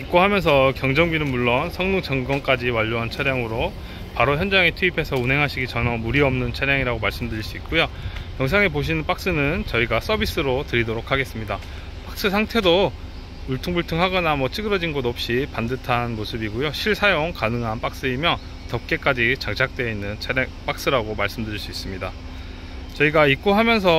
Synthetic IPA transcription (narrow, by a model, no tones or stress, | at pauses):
kik͈ohamjʌns̬ʰʌkjʌŋd͡ʑʌŋɡinɯnmuɭːonsʰʌŋnuŋt͡ɕʌŋɡʌnk͈ad͡ʑiwaʎːoɦant͡ɕʰaɾjaŋɯɾo | paɾoçjʌnd͡ʑaŋetʰuipʰe̞sʰʌunɦe̞ŋɦaɕʰiɡit͡ɕʌnʌmuɾiʌmnɯnt͡ɕʰaɾjaŋiɾaɡomaɭs͈ɯmdɯɾiɭs͈uik̚k͈ojojʌŋs̬ʰaŋep̬oɕ̬ʰinɯnp͈ak̚s͈ɯnɯnt͡ɕʌiɡas͈ʌbis͈ɯɾotɯɾidoɾokʰaɡe̞s͈ɯmɲida | p͈ak̚s͈ɯsʰaŋtʰe̞do | uɭtʰuŋbuɭtʰɯŋɦaɡʌnamwʌt͡ɕʰɯɡɯɾʌd͡ʑinɡodʌp̚ɕ͈ipandɯtʰanmosʰɯbiɡujoɕʰiɭsʰajoŋkanɯŋɦanp͈ak̚s͈ɯimjʌ | tʌp̚k͈e̞k͈ad͡ʑit͡ɕaŋt͡ɕʰak̚t͈we̞inːɯnt͡ɕʰeɾep͈ak̚s͈ɯɾaɡomaɭs͈ɯmdɯɾiɭs͈uis͈ɯmɲida | t͡ɕʌiɡaik̚k͈oɦamjʌns̬ʰʌ